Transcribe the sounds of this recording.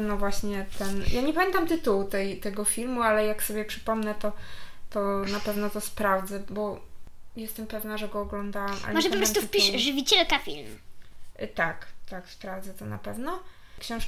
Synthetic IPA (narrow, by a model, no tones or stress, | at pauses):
nɔvwaɕɲɛt̪ɛnjaɲɛpamʲɛnt̪amt̪ɘt̪uwt̪ɛjt̪ɛɡɔfʲilmualɛjaksɔbʲjɛpʂɘ̥pɔmnɛt̪ɔt̪ɔnapɛvnɔt̪ɔspɾavd̪zɛbɔjɛst̪ɛmpɛvnaʐɛɡɔːɡlɔnd̪awama̰lɛmɔʐɛpɔpɾɔst̪ufpʲiʂʐɨvʲit͡ɕɛlkafʲḭlm | t̪akt̪akspɾavd̪zɛt̪ɔna̰pɛvnɔ | kɕɛ̃w̃ʂ